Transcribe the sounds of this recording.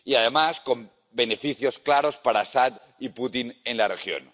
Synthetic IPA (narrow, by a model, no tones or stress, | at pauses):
iað̞emasko̞m | benefiθjo̞sklaɾospaɾasat̪ | iput̪inenlarexjo̰n